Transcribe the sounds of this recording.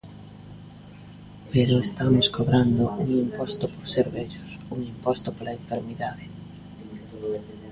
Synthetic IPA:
peɾʊest̪amoskoβɾand̪ʊuŋimpɔst̪ʊpoɾseɾβɛʎosuŋimpɔst̪opolaeɱfeɾmiðaðe

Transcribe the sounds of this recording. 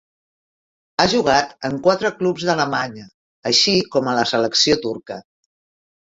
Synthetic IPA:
aʒuɣat̪əŋkwat̪ɾəklupzðələmaɲəː | ʃikɔmələsələksiot̪uɾkə

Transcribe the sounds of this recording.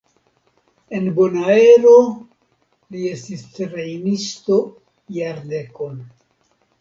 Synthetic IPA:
e̞nbonae̞ɾo | lie̞stisɾejnisto̞ | jaɾde̞ko̞n

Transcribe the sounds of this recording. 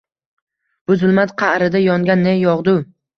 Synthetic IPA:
b̥ʊzʊlˠmat̪qʰɑɾɪd̪ajɒŋɡʲanːejɒʁd̪ʊ

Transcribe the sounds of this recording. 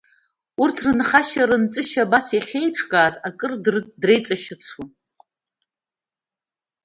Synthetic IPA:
urtʰrɨnχaʃaɾɨnt͡sʼɨʃabaseχʲe̞jʈ͡ʂʰʼkʼaːzakʼɨrdre̞jt͡sʼaʃɪt͡sʰu

